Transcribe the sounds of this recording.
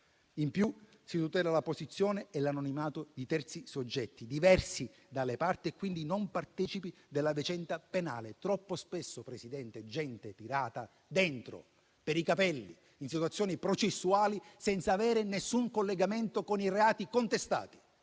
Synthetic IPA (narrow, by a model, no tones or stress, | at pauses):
impju | sit̪ut̪ɛːlalaposit̪sːjɔːneɛlanɔnimaːt̪ʊd̪it̪ɛrt̪sisod͡ʒːɛt̪ːid̪ivɛrsi | d̪alːepart̪iɛkːwind̪inompart̪ɛːt͡ʃipi | d̪elːavit͡ʃɛnt̪apena̰ːlet̪ɾɔpːospesːopɾesid̪ɛnt̪ed͡ʒɛnt̪et̪iɾaːt̪a | d̪ɛnt̪ɾo̰ | peɾikapɛlːi | insit̪wat̪sːjɔːnipɾot͡ʃesːuaːlisɛnt̪saːvɛːɾenesːuŋkolːeɡament̪okonireaːt̪ikont̪est̪a̰ːt̪i̥